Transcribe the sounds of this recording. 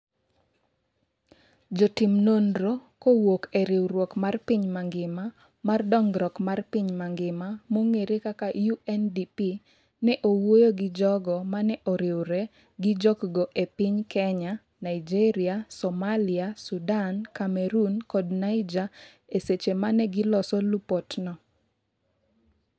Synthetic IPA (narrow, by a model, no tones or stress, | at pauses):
d͡ʒɔtimnondɾokowokeɾɪwɾwɔkmarpiɲmaŋɡɪma | mardɔŋɡɾɔkmarpiɲmaŋɡɪmamoŋeɾekakajuɛndipi | nɛʔowojoɡɪd͡ʒɔɡɔmanɛʔɔɾɪwɾɛ | ɡɪd͡ʒɔkɡɔʔepɪɲkɛɲa | naɪd͡ʒeɾiasɔmaliasudankamɛɾunkɔdnaɪd͡ʒa | eset͡ʃemanɛɡɪlɔsɔlupɔtnɔ